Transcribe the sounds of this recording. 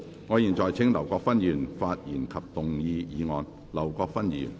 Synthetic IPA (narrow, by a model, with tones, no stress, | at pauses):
ŋɔː˨˧jiː˨˩nt͡ʃɔː˨˩jt͡sʰɪ˥ŋlɐ˨˩wkɔː˧k̚fɐ˥njyː˨˩nfaː˧t̚jiː˨˩nkʰɐ˨p̚t̪ʊ˨ŋjiː˧jiː˨˧ŋɔː˨˧n | lɐ˨˩wkɔː˧k̚fɐ˥njy̰ː˨˩n